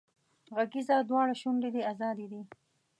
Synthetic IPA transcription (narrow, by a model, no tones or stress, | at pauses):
ɣaɡizɑːd̪wɑːɽaʃuɳɖid̪iazɑːd̪id̪i